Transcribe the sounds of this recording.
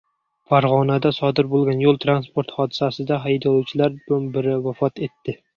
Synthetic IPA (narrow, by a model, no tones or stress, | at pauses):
faɾʁɒnad̪asɒd̪ɪɾbolˠɡʲanjolˠt̪ʰɾanspoɾt̪χɒd̪ɪsasɪd̪aɦajd̪ɒt͡ʃʰɪlaɾbʊnbɪɾɪvafɒt̪e̞t̪ːɪ